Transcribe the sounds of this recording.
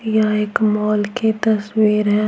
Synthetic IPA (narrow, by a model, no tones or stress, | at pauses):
jaeːkmɔːlket̪ɐswiːɾɦɛ̃